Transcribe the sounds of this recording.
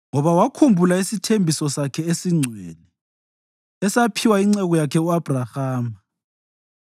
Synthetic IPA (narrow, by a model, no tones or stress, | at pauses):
ŋɔβawakʰumbʱulaisitʰembʱisɔsakʰɛesiŋ͡ǀʱwḛlɛ | ɛsapʰiwaiŋ͡ǀɛɣɔjakʰɛuab̥ʱrahaːm